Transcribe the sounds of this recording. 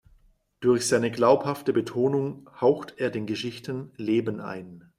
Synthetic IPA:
d̥ʊɐçz̥aɪnəɡlaʊphaftəbətʰoːnʊŋhaʊxteːɐdeːnɡəʃɪçtənleːbənʔa̰ɪn

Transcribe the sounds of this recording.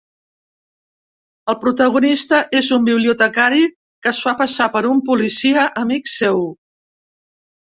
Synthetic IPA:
əlˠpɾut̪əɣunist̪əʔezumbiβliut̪əkaɾi | kəsfapəsapəɾumpulisiəʔəmiksew

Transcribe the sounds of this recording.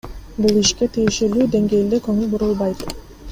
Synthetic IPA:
bulˠiʃke̞t̪ʰijeʃe̞lyːd̪e̞ŋɡe̞ːld̪ekɵŋylbuɾulˠbɑjt̪

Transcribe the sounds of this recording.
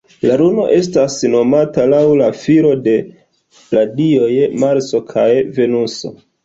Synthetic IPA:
laɾuno̞ʔe̞stasno̞matalawlafiɾo̞de̞ | ladio̞jmaɾso̞kʰajve̞nuso̞̰

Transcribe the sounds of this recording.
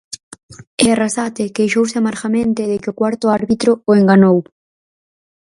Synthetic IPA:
earasat̪ɪkejʃowsɪamaɾxamẽnt̪ɪðɪkɪʊkwaɾt̪ʊaɾβit̪ɾʊːeŋɡanow

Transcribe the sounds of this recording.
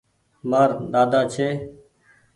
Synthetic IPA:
maːɾd̪aːd̪aːt͡ʃʰeː

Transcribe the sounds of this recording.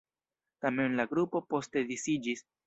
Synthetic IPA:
tame̞nlaɡɾupo̞po̞ste̞disid͡ʒis

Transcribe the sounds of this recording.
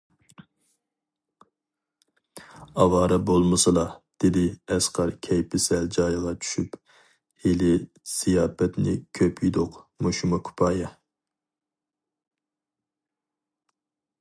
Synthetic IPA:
ɑwɑːɾɑbolˠmɨsɨlˠɑd̪̥ɪd̪ɪɛsqɑɾkʲʰɛjpʰɪsɛld͡ʒɑːjʁɑt͡ʃʰy̥ʃyp | helɪ | z̥ijɑːpɛt̪nɪkʲʰøpʰjid̪ʊqmuʃumɨkʰu̥pʰɑːjɛ

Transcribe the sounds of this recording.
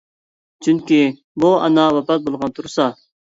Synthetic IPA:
t͡ʃʰyŋkʲi | buɑ̰nɑwɑpɑt̪̚bolˠʁɑnt̪ʰuɾsɑ

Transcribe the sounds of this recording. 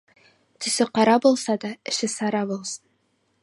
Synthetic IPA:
t̪ɵ̆sɵqɑɾɑbulˠsɑd̪ɑɘ̆ʃɘsɑɾɑbulˠsɤn

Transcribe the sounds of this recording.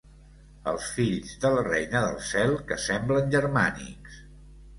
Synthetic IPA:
ə̰lˠsfiʎzðəlrɛjnəðə̰lˠsɛlˠkəsɛmblənʲʒəɾmanḭks

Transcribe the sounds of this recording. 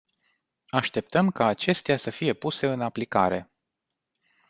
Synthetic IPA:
aʃt̪e̞p̚t̪əmkaːt͡ʃe̞st̪easəfije̞puse̞ɨnaplikaɾe̞

